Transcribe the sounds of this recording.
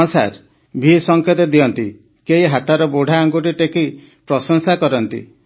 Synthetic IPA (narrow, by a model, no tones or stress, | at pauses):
sa̰ɾ | bʱisɔŋkʰet̪ɔd̪iɔnt̪i | keɦiɦat̪aɾɔboɽʱaːŋɡuʈiʈeki | pɾɔsɔŋsakɔɾɔnt̪ḭ